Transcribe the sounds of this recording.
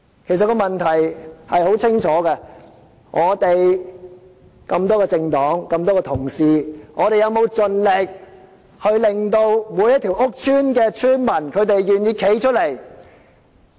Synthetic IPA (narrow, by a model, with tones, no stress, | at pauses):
kʰe˨˩sɐ˨t̚kɔː˧mɐ˨nt̪ʰɐ˨˩jhɐ˨jho˨˥wt͡sʰɪ˥ŋt͡ʃʰɔː˨˥kɛ˧ | ŋʔɔː˨˧t̪e˨j | kɐ˧mt̪ɔː˥kɛ˧t͡sɪ˧ŋt̪ɔː˨˥ŋkɐ˧mt̪ɔː˥kɛ˧t̪ʰʊ˨˩ŋsiː˨ŋʔɔː˨˧t̪e˨jɐ˨˧wmo˨˧wt͡sɵ˨˧nlɪ˨k̚ | hɵ˧ɥlɪ˨ŋt̪o˧wmuː˨˧jɐ˥t̪ʰi˨˩wʔʊ˥k̚t͡ʃʰyː˥nkɛː˧t͡ʃʰyː˥nmɐ˨˩nkʰɵ˨˧ɥt̪e˨jɥyː˨njiː˧kʰe˨˥jt͡ʃʰɵ˥t̚le˨˩j